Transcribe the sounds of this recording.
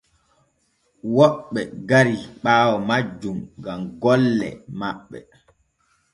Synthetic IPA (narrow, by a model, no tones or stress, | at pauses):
wɔɓːɛɡaɾiɓaːwɔmad͡ʒːumɡamɡɔlːɛ̰maɓːɛ̰